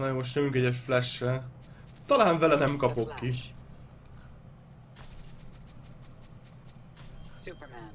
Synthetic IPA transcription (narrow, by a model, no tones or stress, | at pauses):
nɒjoːoʃnøyŋkɛɟɛʃflɛʃrɛ | t̪ɒlaːɱvɛlɛnɛmkɒpo̞kːi